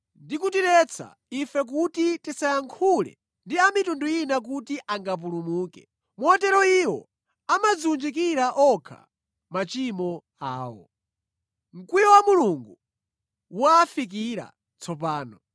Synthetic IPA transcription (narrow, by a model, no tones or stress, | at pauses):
ndikutiɾɛt͡sʰa̰ | ifɛk̬utitisajaŋkʰulɛ̰ | ndiamitundujinak̬utiʔaŋɡap̬ulumuːkɛ | mɔtɛɾɔiwɔ̰ | amazund͡ʒik̬iɾaʔɔkʰa̰ | mat͡ʃimɔ | a̰ːwɔ̰ | ŋ̩kwijɔwamuluŋɡu | waːfik̬iɾa̰ | t͡sʰɔp̬aːnɔ